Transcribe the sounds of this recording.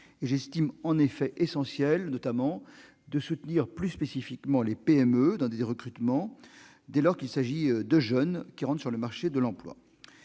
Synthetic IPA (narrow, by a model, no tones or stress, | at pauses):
eʒɛst̪imɑ̃nefɛʔesɑ̃sjɛlnɔt̪amɑ̃ | d̪əsut̪niʁplyspesifikmɑ̃lepeɛmød̪ɑ̃d̪eeʁəkχyt̪mɑ̃ | d̪ɛlɔʁkilsaʒid̪əʒœnkʲiʁɑ̃t̪syʁləmaʁʃed̪əlɑ̃plwa̰